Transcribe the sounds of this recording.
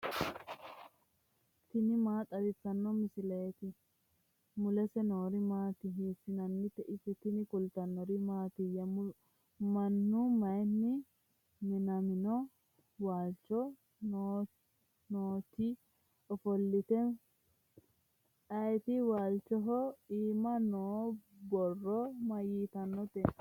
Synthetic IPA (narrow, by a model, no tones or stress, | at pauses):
t̪ɪnɪmaːt̪ʼɐd̪ɪt͡sːɐnːɔmɪsɪlɐɛt̪ɪ | mʊlɛsɛnoːɾɪmaːt̪ɪɦeːsɪnɐnːɪt̪ːɛʔɪsɪt̪ɪnɪkʊlt̪ɐnːɔɾɪmaːt̪ɪjɐm | mɐnːʊmɐjnːɪ | nɪnɐmɪnɔ | waːlt͡ʃɔ | nː | noːt̪ɪ | ɔfɔlːɪt̪ɛ | ɐjt̪ɪwaːlt͡ʃːɔɦɔiːmɐnoːbɔrːɔmɐjiːt̪ɐnːɔt̪ɛ